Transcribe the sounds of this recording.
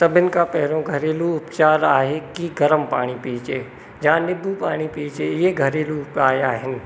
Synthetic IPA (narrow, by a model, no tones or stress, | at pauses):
sɐbʱɪnɪ̆kapɐɦɪɾõɡʱɐɾeːluʊpt͡ʃaːɾaːɦekiɡɐɾəmpa̰ːɽ̃ipiːt͡ʃeː | d͡ʒãːnɪbʱupaːɽ̃ipiːt͡ʃeɪeɡʱɐɾeːluʊpaːɾaːɦɪnɪ̆